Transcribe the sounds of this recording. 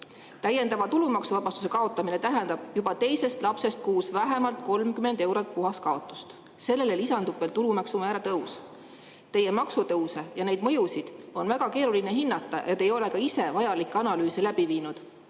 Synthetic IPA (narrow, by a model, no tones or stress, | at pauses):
t̪æje̞nd̪ɑvɑt̪ulumɑksuvɑb̥ɑst̪u̥se̞kɑo̞t̪ːˑɑmine̞t̪æɦend̪ɑb̥jub̥ɑt̪e̞jse̞st̪lɑpse̞st̪̚kuːsvæɦe̞mɑlt̪̚ko̞lmkyme̞nd̪e̞wɾot̪̚puɦɑskɑo̞t̪ːˑu̥st̪ | se̞lːe̞lelisɑnd̪upːelt̪ulumɑksumæːɾɑt̪ɤws | t̪e̞jemɑksut̪ɤwse̞jɑne̞jd̪̥mɤjusid̪̥o̞nvæɡ̥ɑke̞ːɾulineɦinːɑt̪ːˑɑʔet̪ːˑe̞jo̞le̞kɑise̞vɑjɑlikːˑɑnɑlyːselæb̥iviːnud̪̥